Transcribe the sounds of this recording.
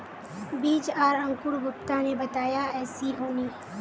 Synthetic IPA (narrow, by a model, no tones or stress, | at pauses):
biːt͡ʃaːɾɐ̃ŋkʊɾɡʊpt̪anebɐt̪aːjaɛːsiɦoːniː